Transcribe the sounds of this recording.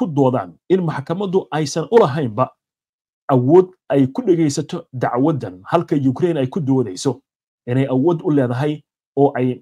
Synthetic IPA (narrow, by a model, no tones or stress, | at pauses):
kʰʊd̪ɔːða̰ːnɪnmɑħkʰɐmɐðʊʔɛjsɐnʔʊlɐɦɛjmbɐ | ʔɐwɔːd̪̚ | ɛjkʰʊɖɛɣɛjsɐt̪ʰɔd̪ɑʕwɐd̪ɐnhɐlkʰɐjʊkɾɛjnɛjkʰʊd̪ɔːðɛjsɔ | ʔɪnɛjɐwɔːd̪ʊlɛːðɐɦɛj | ɔːʔɛj